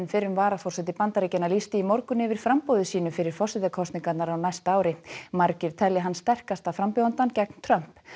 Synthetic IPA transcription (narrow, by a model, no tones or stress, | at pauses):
nfɪɾʏmvaːɾafɔrsɛt̪ɪpant̪aɾicɛnalist̪ɪimɔɾkʏnɪvɪɾ̥fɾampoːðʏsiːnʏfɪɾɪɾ̥fɔrsɪðt̪akʰɔst̪niŋkat̪naɾawnajst̪aaːwɾɪmaɾcɪɾ̥t̪ʰɛlːɪɦanst̪ɛr̥kast̪afɾampjowant̪ancɛkn̥t̪ʰɾœm̥p